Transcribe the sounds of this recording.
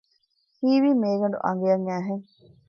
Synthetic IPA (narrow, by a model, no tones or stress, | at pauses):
hiːʋiːmeːɡɐɳɖuʔɐ̰ŋɡejɐŋæːɦeŋ